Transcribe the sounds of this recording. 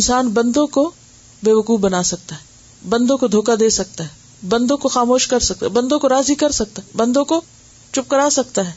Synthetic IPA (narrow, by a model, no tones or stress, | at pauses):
ɪnsaːnbɐ̃nd̪õko | beːʋɐkuːbɐnaːsɐk̚t̪aɦɛː | bɐ̃nd̪õkod̪ʱoːkad̪eːsɐk̚t̪aɦɛː | bɐ̃nd̪õkoxaːmoːʃkɐɾsɐk̚t̪abɐ̃nd̪õkoɾaːzikɐɾsɐk̚t̪aɦɛbɐ̃nd̪õko | t͡ʃʊp̚kəɾaːsɐk̚t̪aɦɛː